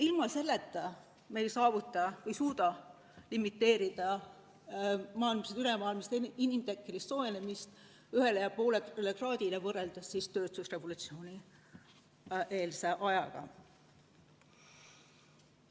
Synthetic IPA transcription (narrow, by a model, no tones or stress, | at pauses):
ilmɑse̞lːet̪ːˑɑ | me̞jsɑːvut̪ːˑɑvejsuːd̪̥ɑ | limit̪ːe̞ːɾid̪̥ɑ | mɑːilmɑsed̪ylemɑːilmist̪inimt̪ekːˑelisːo̞enemist̪ | yɦe̞lejɑpo̞ːlelekrɑːd̪̥ilevɤrːe̞ld̪̥ɑsːist̪ø̞ːt̪usre̞vulut̪sio̞ːnʲi | ʔeːlse̞ʔɑjɑɡ̥ɑ̰